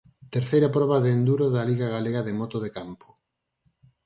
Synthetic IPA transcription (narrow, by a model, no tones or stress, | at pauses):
t̪eɾθejɾapɾɔβɐðeːnd̪uɾoðɐliɣaɣaleɣaðɪmɔt̪oðekampo̥